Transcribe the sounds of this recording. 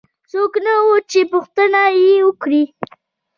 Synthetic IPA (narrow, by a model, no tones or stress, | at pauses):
t͡soknawot͡ʃepʊxt̪ənajewəkɽi